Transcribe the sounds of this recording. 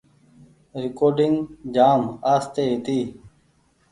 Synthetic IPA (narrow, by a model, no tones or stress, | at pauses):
ɾɪkoːɾɖɪŋɡd͡ʒaːmaːst̪eːit̪iː